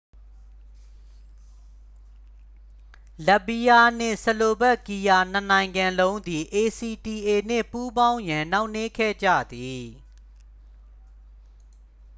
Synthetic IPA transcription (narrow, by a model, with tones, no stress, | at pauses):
lə˦˨bi˦ja˦˨n̥ɪ̰̃˦˨sə˨lo˨bɛ˦˨ki˨ja˨n̥ə˨nã˨ɪ̃ŋɡã˨lõ˦ʊ̃nd̪i˨ʔe˨si˨ti˨ʔe˨n̥ɪ̰̃˦˨pu˦bã˦ʊ̃jã˨na˦ʊʔne˦kʰɛ̰˦˨d͡ʑa̰˦˨d̪i˨